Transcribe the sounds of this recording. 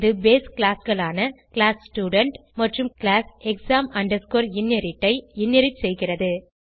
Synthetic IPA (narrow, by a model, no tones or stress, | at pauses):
ðɯbeːskːlaːsɣɐɭaːnɐkɪɭaːssʈjuːɽɐɳʈmɐʈrɯmkɪɭaːsɛksaːmɐɳɖɐɾskoːɾɪnːjɐɾɪʈːɐɪɪnːjɐɾɪsɛjɣɪrɐðɯ